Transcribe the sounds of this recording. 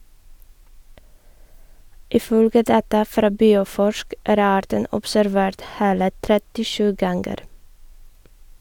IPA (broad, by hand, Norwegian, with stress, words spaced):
ɪˈfœlɡə ˈdɑːtɑ ˈfɾɑː ˈbiːʊˌfɔʃk ˈʔæːɾ ˈɑːɾtən ɔpsæɾˈʋeːɾt ˈheːlə tɾɛtɪˈʃʉː ˈɡɑŋɡəɾ